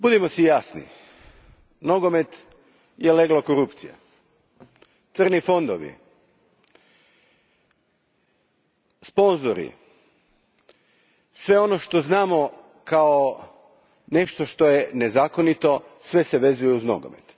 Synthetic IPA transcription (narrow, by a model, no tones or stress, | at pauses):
bud̪imo̞sijasnḭ | no̞ɡome̞t̪ | jeleɡlokoɾupt̪sija̰ | t̪sər̩nifo̞nd̪oʋḭ | spo̞nzoɾḭ | sʋe̞o̞noʃt̪o̞znaːmo̞ | kao | ne̞ʃt̪oʃt̪o̞jenezaːko̞nit̪o̞sʋe̞se̞ʋe̞zujeuzno̰ɡo̰mḛt̪